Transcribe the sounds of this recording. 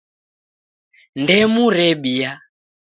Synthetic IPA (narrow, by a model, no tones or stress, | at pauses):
ndɛmuɾɛɓija